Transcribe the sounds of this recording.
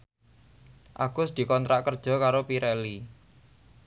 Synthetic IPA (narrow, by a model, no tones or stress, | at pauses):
ʔaɡ̥ʊsd̪̥i̤kɔnt̪ɾaʔkərd̥ʒ̥ɔ̤kaɾopiɾɛli